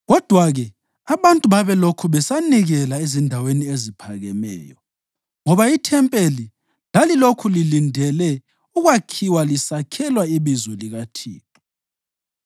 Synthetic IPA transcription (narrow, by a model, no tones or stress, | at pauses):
ɣɔd̥ʱwaɣɛ | aβantʼuβaβɛlokʰuβɛsaniɣɛlaezindʱaweniezipʰaɣɛmɛ̰ːjɔ | ŋɔβaitʰɛmpʼeli | lalilokʰulilindʱɛlɛ | uɣwakʰiwalisakʰɛlwaiβizɔliɣatʰḭːpu̥